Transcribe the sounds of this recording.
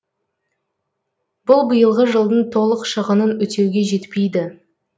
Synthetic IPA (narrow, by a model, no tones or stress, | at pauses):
b̥ʊlˠbəjəlˠʁəʒəlˠd̪ənt̪ʰo̞lˠəqʃəʁənənɵt̪e̞wɡʲe̞ʒe̞t̪pejd̪ɪ